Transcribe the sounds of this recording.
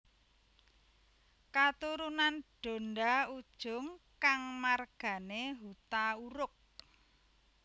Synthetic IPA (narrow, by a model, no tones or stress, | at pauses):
kat̪uɾunanɖ̥o̤nɖaud̥ʒ̥ʊ̤ŋkaŋmarɡ̥a̤neɦut̪auɾʊk̚